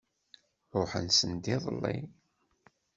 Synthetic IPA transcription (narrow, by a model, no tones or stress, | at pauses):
ɾˤoħə̰nsənd̪iðˤə̰lːḭ